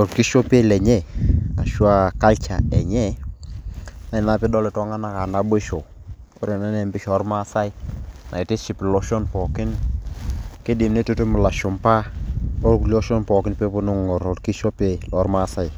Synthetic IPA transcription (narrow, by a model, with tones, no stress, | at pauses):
ɔ˨ɾki˦ʃo˦pe˦lɛ˨ɲɛ˦a̰˨ʃwa˦˨ka˦lt͡ʃa˨ɛ˨ɲɛ˦ | na˦ɪ˨na˦pɪ˦dɔ˦lɛ˨tɔ˦ŋa˦na˦ka˨na˦bo˦ʃo˨ | o˦ɾe˨na˦nɛ˨mbɪ˦ʃɔ˨˦ɾma˦sa˦i˦na̰˨ɪ˨tɪ˦ʃɪ˨plɔ˦ʃɔ˦npɔ˨kɪ˦n | ke˦di˨mne˦to˦te˦mʊ˨la˨ʃʊ˨mpa˦ɔ˦ɾku˦li˦ɔ˦ʃɔ˦npɔ˨kɪ˦npe˦pʊ˦nʊ˦ŋɔ˨ɾɔ˨ɾki˦ʃɔ˦pe˦lɔ˨˦ɾma˦sa˦j